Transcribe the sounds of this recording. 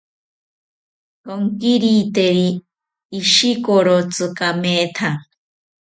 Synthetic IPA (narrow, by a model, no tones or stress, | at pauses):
koŋkiɾit̪eɾiː | ʃikoɾot͡sɨkameːt̪ʰa